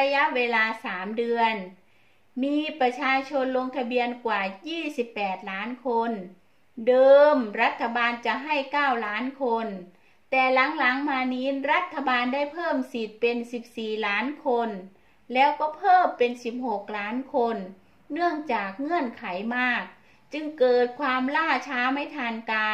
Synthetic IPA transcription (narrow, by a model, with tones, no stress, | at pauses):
ɾa˧ja˦˥ʔweː˧laː˧saː˩˦mdɯ˧ən | miː˧˥pɾa˧t͡ɕʰaː˧t͡ɕʰo˧nlo˧ŋt̪ʰa˧bi˧ənkwaː˨˩jiː˥˩si˨˦pːɛː˨˩t̪̚laː˦˥nkʰo˧n | dɤː˧mɾa˧˥t̪ʰːa˧baː˧nt͡ɕa˨˩˦ɦa˥˩jkaː˥˩wlaː˦˥nkʰo˧n | t̪ɛː˨˩la˩˦ŋla˨˩˦ŋmaː˧niː˦˥nɾa˦˥t̪ʰːa˧baː˧ndaː˥˩jpʰɤː˥˩msi˨˩t̪̚pe˧nsi˨˩p̚siː˨˩laː˦˥nkʰo˧n | lɛː˦˥wkɔː˥˩pʰɤː˥˩mpe˧nsi˨˩p̚ho˨˩k̚laː˦˥nkʰo˧nː | ɯ˥˩əŋt͡ɕaː˨˩k̚ŋɯ˧˥˩ənkʰa˩˦jmaː˥˩k̚ | t͡ɕɯ˧ŋkɤː˨˩t̪̚kʰwaː˧mlaː˥˩t͡ɕʰaː˦˥ma˧˥˩jt̪ʰaː˧nkaː˧